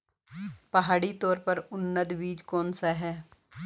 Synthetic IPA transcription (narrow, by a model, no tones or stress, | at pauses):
pəɦaːɽiːt̪ɔːɾpəɾʊnːəd̪ʋiːd͡ʒkoːnsaːɦɛː